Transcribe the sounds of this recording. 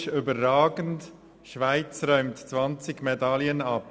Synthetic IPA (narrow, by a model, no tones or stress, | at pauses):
ʃʏbəʁaːɡənt | ʃvaɪt͡sɾœʏmtt͡sʋɑnt͡sɪɡmedɑliənɑp